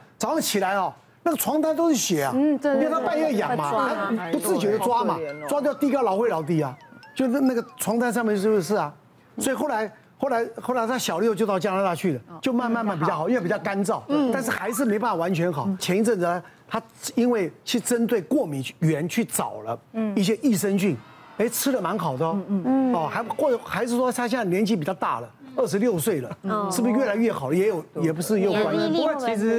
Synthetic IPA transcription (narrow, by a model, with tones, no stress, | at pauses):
t͡sɑ˨˩ʊlɑ˥˩t͡ɕʰi˨˩la˧˥ɪɔ˨˧ | na˥˩ɡə˩t͡sʰwɑ˧˥ŋt̪a˥nt̪̬o˥ʊʂɻ̩˥˩ɕɥɛ˨˩a̰˦˧˨ɛ˥˧˩t̪a˥pa˥˧ɪjɛ˥˩˨jɑ̰˨˩ŋma˦a˧˥pu˧˥t͡sɹ̩˥˩t͡ɕjo˨˩də˧t͡swa˥ma˨t͡swa˥t̪jt̪i˧˥˩lɑ˧˥ʊxwe˥˩lɑ˧˥ʊt̪̬i˧˥ɐ˨t͡ɕo˥˧ʊ˥˧na˥˩ɡə˩t͡sʰwɑ˧˥ŋt̪a˥nʂ̬ɑ˥˧ŋmɛ˥˧˥o˥˧ʂɻ̩˥˩ɐ˩ | wɔ˧˥i˨xo˥˩ʊa˧˦˥ɪ | xo˥˩ʊla˧˥ɪxo˥˩la˧˥ɪt̪ʰa˥˩ɕjɑ˨˩ʊljʊt͡ɕo˥˧ʊt̪ɑ˥˧ʊt͡ɕja˥˧la˥˧t̪a˥˧t͡ɕʰy˥˩lə˩t͡ɕjo˥˧ʊma˥˧nma˥˧nma˥˩npi˨˩jɑ˥˩xnwe˥˩pi˨˩t͡ɕɑ˥˩ʊka˥nt͡sɑ˥˩ʊt̪a˥˧nʂɻ̩˥˩xa˧˥ɪʂ̬ɻ̩˥˩m˧˥ɪpa˥˩fa˨˩wa˧˥nt͡ɕʰɥɛ˧˥nxɑ˨˩ʊt͡ɕʰjɛ˧˥ni˧˥t͡sə˥˩nə˧˩˧ | t̪ʰa˥˧ | i˥nwe˥˩ɪt͡ɕʰy˥˩ʈ͡ʂə˦˥nt̪we˥˩ɪkwɔ˥˩mi˨˥˦ɥɛ˧˥nt͡ɕʰy˥˩t͡sɑ̰˨˩ʊlə˦i˥˩ɕ̬jɛ˥ʔi˥˩ʂə˥nt͡ɕy˥˩n | e˥˩ɪʈ͡ʂʰɻ̩˥lə˨ma˧˥nxɑ˨˩ʊd̪ə˦˧ɔ˧˩xa˧˥xwɔ˥˩˧xa˧˥ɪʂ̬ɻ̩˥˩ʂwɔ˥t̪ʰa˥ɕjɛ˥˧na˥˩ljɛ˧˥nt͡ɕi˥˩pi˨˩t͡ɕɑ˥˧ʊt̪a̰˥˩lə˩ | ə˥˩ʂɻ̩˧˦ljo˥˧ʊswe˥˩ɪlə˩ʂɻ̩˥˩bu˩˥ɥɛ˥˩a˧ɪɥɛ˥˩xɑ˨˩ʊlə˦jɛ˧˥jo˨˩ʊjɛ˨˩p̬u˧˥ʂɻ̩˥˧jo˥˧ʊ˧wa˧˥n˥˧˥t͡ɕʰi˧˥ʂɻ̩˧˥